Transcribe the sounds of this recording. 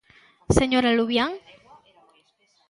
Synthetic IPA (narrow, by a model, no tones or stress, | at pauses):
seɲoɾaluβjaŋ